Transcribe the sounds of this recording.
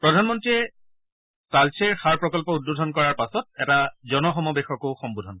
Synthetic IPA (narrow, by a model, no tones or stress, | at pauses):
pɹɔdʱanmɔntɹijɛ | talsʰeɹxaɹpɹɔkɔlpɔud̚budʱɔnkɔɹaɹpasɔt̚ɛtazɔnɔxɔmɔbexɔkoxɔmbudʱɔn